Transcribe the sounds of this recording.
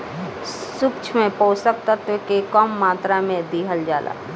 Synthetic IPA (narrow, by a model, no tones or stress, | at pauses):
sʊkt͡ʃʰmẽpoːsək̚t̪ət̪ekekɔmːaːt̪ɾamẽd̪iːɦəld͡ʒaːla̰ː